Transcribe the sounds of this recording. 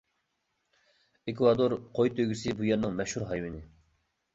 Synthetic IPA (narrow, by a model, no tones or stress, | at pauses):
ekʰvɑd̪oɾqʰojt̪ʰøɡʲisɪbujɛɾnɪŋmɛʃhuɾɦɑjwɪnɪ